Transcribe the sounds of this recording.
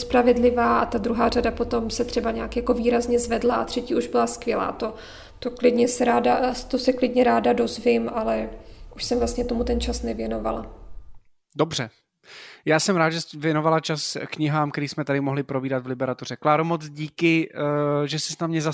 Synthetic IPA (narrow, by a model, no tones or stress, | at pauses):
spɾavɛdlɪvaːʔat̪ad̪ɾuɦaːradapo̞t̪o̞msɛt̪r̥ɛbaɲɛakjako̞viːɾazɲɛzvɛdlaat̪r̥ɛciːʔuʒbɪlaskvjɛla̰ːt̪o̞ | t̪oklɪdɲɛsɛɾaːdat̪osɛklɪdɲɛɾaːdado̞zvɪmalɛʔuʃsɛmvlastɲɛt̪o̞mut̪ɛnt͡ʃasnɛvjɛno̞va̰la̰ | dobr̝̥ɛ | jaːsɛmɾaːd̪ʒɛvjɛnovalat͡ʃaskɲɪɦaːmkɛɾiːsmɛt̪adɪmoɦlɪpɾobiːdat̪vlɪbɛɾat̪ur̝̥ɛklaːɾomot͡sɟiːkɪ | ʒɛsɛsnamɲɛza